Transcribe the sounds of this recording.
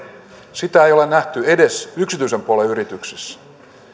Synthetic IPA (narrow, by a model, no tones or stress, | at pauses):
sit̪æejo̞lenæht̪ye̞desyksit̪yisempuoleyɾit̪yksisː